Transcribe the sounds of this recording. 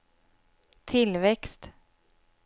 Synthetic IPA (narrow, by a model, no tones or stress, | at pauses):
t̪ʰɪlvɛkst̪